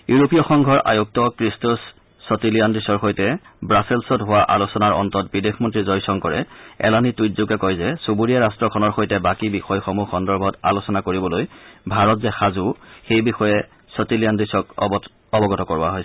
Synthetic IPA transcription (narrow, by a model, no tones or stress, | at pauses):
juɹopiɔxɔŋɡʱɔɹʔa̰juk̚tɔkɹistusː | ɔtilijandɹisɔɹxojtɛ | bɹasilsɔtɦʊwaʔa̰losɔnaɹɔ̰ntɔt̚bidekʰmɔntɹizɔjsɔŋkɔɹɛɛ̰lanitujtzuɡɛkɔjzɛsubuɹijaɹastɹɔkʰɔnɔɹxojtɛbakibixɔjxɔmuxɔndɔɹbʱɔta̰losɔnakoɹibɔlojbʱaɹɔtzɛxazuxejbixɔjɛ | sɔtilijandɹisɔk | ɔbɔɡɔtɔkɔɹʊa̰ɦojsɛ